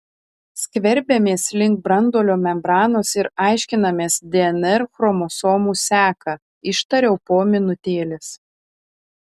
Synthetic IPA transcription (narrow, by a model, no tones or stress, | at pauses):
sʲkʲʋʲɛɾʲbʲɛmʲeːslʲɪŋk̚bɾɐnd̪oːlʲoːmʲɛmbɾɑːnoːsɪɾɑˑɪʃʲkʲɪnɐmʲeːsd̪ʲɛɛnɛɾxɾɔmosoːmuːsʲæːkɐ | ɪʃt̪ɐɾʲɛʊpoːmʲɪnʊt̪ʲeːlʲɪs